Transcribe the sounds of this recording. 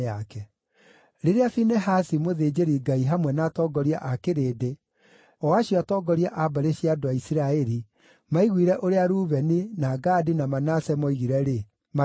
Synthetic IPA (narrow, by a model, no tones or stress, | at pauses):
akɛ | ɾeɾeafinɛɦasimoðeːd͡ʑeɾiɡaiɦamwɛnaːtɔɡɔɾiaʔakeɾeːde | ɔwaɕiɔatɔːɡɔɾiaʔabaɾeɕiadoaisiɾaɛɾi | maiɣwiɾɛʔoɾeaɾuːβɛninaɡaːdinamanasɛmɔiɣiɾɛɾe | ma